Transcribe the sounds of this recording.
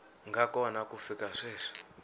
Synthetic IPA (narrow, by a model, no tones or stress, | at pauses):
ŋɡakɔwanakufikaʂɛːʂḁ